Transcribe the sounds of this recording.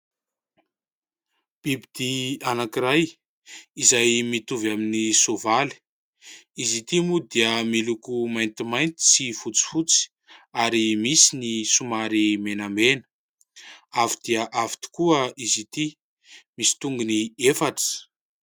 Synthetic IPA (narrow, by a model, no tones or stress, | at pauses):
b̥ibid̪̥ianakiɾaj | izajmit̪uvaminisovali̥ | izit̪imud̪iəmilukumajnt̪imajnt̪i̥sifut͡si̥fut͡si̥ | aɾimisinisumaɾimenamenə̥ | avid̪̥iəʔavi̥t̪u̥kuəʔizit̪i | misi̥t̪uŋɡuniefaʈ͡ʂə̥